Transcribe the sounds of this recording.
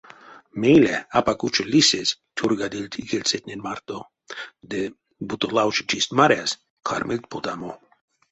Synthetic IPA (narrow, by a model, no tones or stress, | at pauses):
meːleapakut͡ʃelʲises | t̪ʲʰuɾɡad̪ilʲt̪ʰiɡelset̪nʲenmaɾt̪o | d̪e | but̪olawt͡ʃe̥t͡ʃist̪maɾjas | kʰa̰ɾmilʲt̪̚pot̪amo